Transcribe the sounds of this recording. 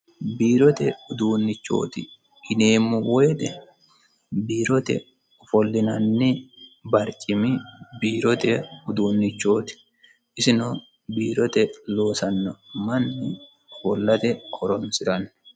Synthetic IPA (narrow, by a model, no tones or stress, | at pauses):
biːɾɔt̪ɛʊd̪uːnːɪt͡ʃːo̞̰ːt̪ɪ | ɪneːmʊwed̪ɛ | biːɾɔt̪ɛ̰ | fɔlːɪnɐnːɪbɐɾt͡ʃʼɪmɪbiːɾɔt̪ɛʊd̪uːnːɪt͡ʃːo̞ːt̪ɪ̥ | ɪsɪno | biːɾɔt̪ɛlo̞ːsɐnːɐmɐnːɪ | fɔlːɐt̪ɛhɔɾɔnsɪɾɐn